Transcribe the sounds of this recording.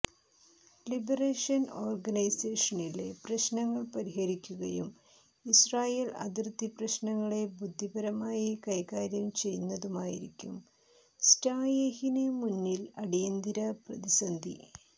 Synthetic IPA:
libɐreːʂɐno̞ːrɡɐnɐjseːʂɐnileprɐɕnɐŋːɐɭpɐɾiɦɐɾikʲːuɣɐjum | israːjeːlɐ̰d̪irt̪ːiprɐɕnɐŋːɐɭe̞bud̪ʱːibɐɾɐmaːjikɐjkaːɾjɐmt͡ɕe̞jnːɐðumaːjḭɾikʲːum | staːjehinemunːilɐɽijɐnd̪iɾɐprɐðisɐnd̪ʱḭ

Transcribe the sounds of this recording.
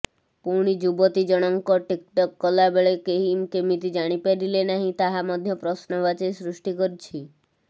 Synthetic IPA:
puɾɽ̃id͡ʒubɔt̪id͡ʒɔɽ̃ɔŋkɔʈik̚ʈɔkːɔlabeɭekeɦimkemit̪id͡ʒaɽ̃ipaɾilenaɦĩt̪aɦamɔd̪ʱjɔpɾɔsnɔʋat͡ʃɔjsɾuʃʈikɔɾt͡ʃʰi

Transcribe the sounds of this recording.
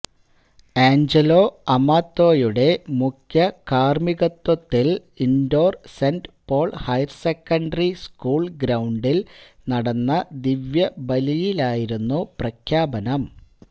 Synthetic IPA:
eːɲd͡ʑelo̞ːɐmaːt̪ːo̞ːjuɽe̞mukʰjɐkaːrmiɣɐt̪ːwɐt̪ːil | indo̞ːrsenɖpo̞ːɭhɐjrsekːɐɳɖɐriskuːɭɡɾɐwɳɖil | nɐɽɐnːɐd̪iʋjɐbɐlijilaːjiɾunːuprɐkʰjaːbɐnɐm

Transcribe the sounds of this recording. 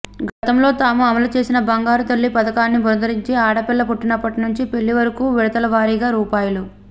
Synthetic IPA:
ɡɐt̪ɐmlo̞ːt̪aːmuɐmɐlut͡ʃe̞ːsinɐbɐŋɡaːɾut̪ɐɭːipɐd̪ɐkaːnːibʱond̪ɐɾiɲt͡ʃeːaːɽɐpɛlːɐpuʈːinɐpːɐʈinuɲt͡ʃipe̞ɭːiʋɐɾɐkuːʋiɽɐt̪ɐlɐʋaːɾiːɡaːɾuːpaːjɐlu

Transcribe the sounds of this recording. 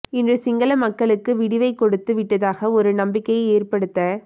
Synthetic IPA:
ɪndrɯsɪŋɡɐlɐmɐkːɐɭɯkːɯʋɪɽɪʋɐɪkɔɽɯt̪ːɯʋɪʈːɐðaːɣɐɔɾɯnɐmbɪkːɐɪeːrpɐɽɯt̪ːɐ

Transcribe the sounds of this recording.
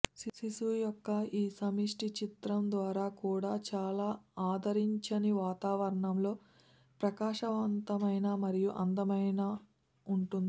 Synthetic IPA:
sisisujɔkːɐiːsɐmiʂʈit͡ʃit̪ɾɐmd̪ʋaːɾaːkuːɽaːt͡ʃaːlaːaːd̪ʱɐɾiɲt͡ʃɐniʋaːt̪aːʋɐɾɐɳɐmlo̞ː | pɾɐkaːʂɐʋɐnt̪ɐmɐjnɐmɐɾijuʔɐnd̪ɐmɐjnɐ | uɳʈund̪ii

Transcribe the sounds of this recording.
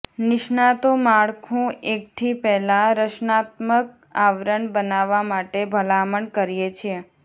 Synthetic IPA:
nɪʃnat̪omaɭkʰũek̚t̪ʰipɛɦlãɾəʃnat̪̚mək̚ | aʋɾəɳbənaʋamaʈebʱəlaməɳkəɾijet͡ʃʰie

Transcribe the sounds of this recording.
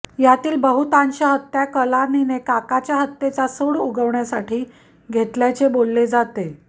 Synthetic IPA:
jat̪iːlbəɦut̪anɕəɦət̪ːjakəlaninekakat͡ɕjaɦət̪ːet͡sasəɽuɡəʋɳjasaʈʰiː | ɡʱet̪ljajt͡sebolːed͡zat̪e

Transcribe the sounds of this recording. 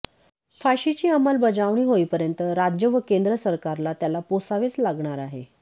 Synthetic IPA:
faɕit͡ɕiːaməlbəd͡zaʋɳ̃iːɦoipəɾjənt̪əɾad͡ʑjəʋəkend̪ɾəsəɾkaɾlat̪jalaposaʋet͡slaɡɳ̃aɾaɦe

